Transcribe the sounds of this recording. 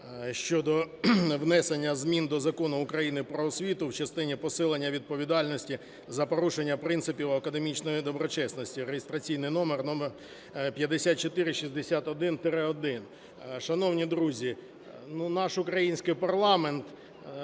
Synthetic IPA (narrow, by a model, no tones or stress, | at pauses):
ʃt͡ʃɔd̪ɔʋnɛsenʲːɐzmʲind̪ɔzɐkɔnʊːkɾɐjinɪpɾɔːsʲʋʲit̪ʊwt͡ʃɐst̪ɪnʲipɔsɪlˠenʲːɐʋʲid̪̚pɔʋʲid̪ɑlʲnɔsʲtʲi | zɐpɔɾuʃenʲːɐpɾɪnt̪sɪpʲiwɐkɐd̪e̞mʲit͡ʃnɔjid̪ɔbɾɔt͡ʃɛsnɔsʲtʲiɾejest̪ɾɐt͡sʲijnɪjnɔmernɔmer | pʲjɐd̪esʲat̪̚t͡ʃɔt̪ɪɾɪʃizʲd̪esʲat̪ɔd̪ɪnt̪ɪɾɪɔd̪ɪn | ʃɐnɔwnʲid̪ɾuzʲi | nunɑʃʊkɾɐjinʲsʲkɪjpɐrlˠɑment̪